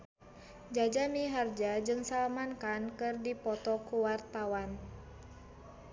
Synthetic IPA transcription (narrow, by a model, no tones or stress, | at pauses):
d͡ʒad͡ʒamiɦard͡ʒad͡ʒɨŋsalamankankɨrdipɔt̪ɔkuwart̪awan